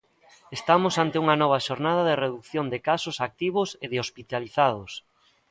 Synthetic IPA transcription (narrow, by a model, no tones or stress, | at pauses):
est̪amʊsant̪ɪuŋɐnɔβ̞ɐʃoɾnað̞aðereðukθjond̪ɪkasʊsak̚t̪iβ̞ʊseðɪospit̪aliθað̞ʊs